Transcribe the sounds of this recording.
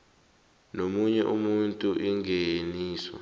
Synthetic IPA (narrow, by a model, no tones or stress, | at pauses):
nomuɲɛʔumuntʼuʔiŋɡeniːswa̰